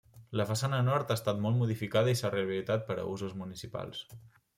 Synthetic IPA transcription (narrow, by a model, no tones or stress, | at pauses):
ləfəsanənɔɾt̪aːst̪at̪mɔlˠmuð̞ifikaðəisareəβilit̪at̪̚pəɾə̰uzuzmunisipa̰lˠs